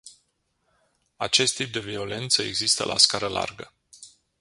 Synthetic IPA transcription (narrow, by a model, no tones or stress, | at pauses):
at͡ʃe̞st̪ːip̚d̪e̞vio̞le̞nt̪səe̞̰ɡzist̪ə̰lʔa̰skaɾəlʔa̰rɡə